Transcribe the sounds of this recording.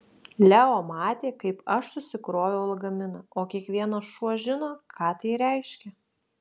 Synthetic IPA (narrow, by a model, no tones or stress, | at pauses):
lʲæoːmɑːt̪ʲeːkɐɪpɐʃsʊsʲɪkɾoːʋʲɛʊlˠɡɐmʲɪnɐoːkʲiɛkʋʲiɛnɐsʃuɔʒʲɪnoːkʰɑːt̪ɐɪɾʲɛɪʃʲkʲɛ